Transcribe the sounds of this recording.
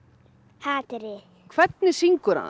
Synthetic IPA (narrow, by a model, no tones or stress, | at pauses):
haːt̪ɾɪ | kʰvɛt̪̚nɪsiŋkʏɾa̰